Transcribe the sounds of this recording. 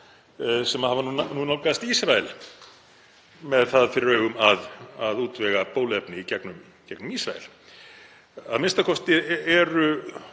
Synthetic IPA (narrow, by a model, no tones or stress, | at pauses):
sɛmahavanununawkast̪iːsɾaɛl | mɛðθaðfɪɾɪɾœːɥɣʏmaðaðuːt̪vɛɣapoːwlɛpnɪicɛknʏm | cɛknʏmiːsɾa̰ɛ̰l̥ | aðmɪnst̪akʰɔst̪ɪɛɾʏ